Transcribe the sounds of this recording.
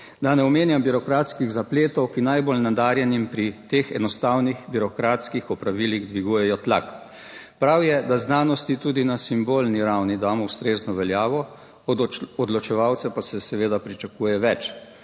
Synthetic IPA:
d̪anɛɔmeːnjambiɾɔkɾaːt̪skiɣzapleːt̪ɔwkinajbolnad̪aːɾjɛnimpɾit̪eːxɛ̰d̪nɔst̪aːwnixbiɾɔkɾaːt̪skixɔpɾaʋiliɣd̪ʋiɡuːjɛjɔt̪lak | pɾawjɛd̪aznaːnɔst̪it̪uːd̪inasimboːlniɾawnid̪aːmɔwst̪ɾeːznɔʋɛljaːʋɔ | ɔd̪lɔt͡ʃɛʋawt̪sɛpasɛsɛʋeːd̪apɾit͡ʃakuːjɛʋɛt͡ʃ

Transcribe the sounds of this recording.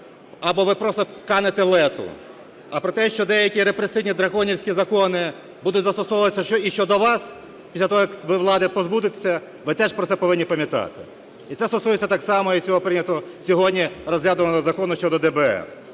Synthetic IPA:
ɐbɔʋɪpɾɔst̪ɔkɑnet̪elˠɛt̪ʊ̰ | ɐpɾɔt̪ɛʃt͡ʃɔd̪ɛjɐkʲiɾepɾesɪjnʲid̪ɾɐkɔnʲiwsʲkʲizɐkɔnɪ | bud̪ʊtʲzɐst̪ɔsɔʋʋɐt̪esʲɐʃɔiʃt͡ʃɔd̪ɔʋɑs | pʲisʲlʲɐt̪ɔɦɔjɐkʋɪʋlˠɑd̪ɪpɔzbud̪ɪt̪e̥sʲːɐ | ʋɪt̪ɛʒpɾɔt̪ɛpɔʋɪnʲːipɐmʲjɐt̪ɑ̰t̪ɪ̥ | it̪sɛst̪ɔsujet͡sʲːɐt̪ɑksɑmɔit͡sʲɔɦɔpɾɪnʲɐt̪ɔsʲɔɦɔdʲnʲirɔzɦlʲad̪ʊʋɐnɔd̪ɔzɐkɔnʊʃt͡ʃɔd̪ɔd̪ɛbɛɛ̰

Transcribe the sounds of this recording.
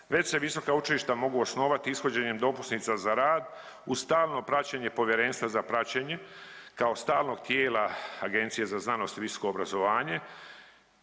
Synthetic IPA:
ʋe̞t͡ɕse̞ʋiso̞kaut͡ʃiliʃt̪amo̞ɡuosno̞ːʋat̪iisxo̞d͡ʑeɲe̞md̪o̞pusnit̪sazaɾaːd̪ | ust̪aːlˠno̞pɾat͡ɕeɲe̞po̞ʋjeɾe̞ːnst̪ʋazapɾat͡ɕeɲe̞kao̞st̪aːlno̞ɡt̪jeːlaaɡe̞nt̪sijezaznano̞st̪ʋiso̥ko̞ːbɾazo̞ʋaːɲe̞

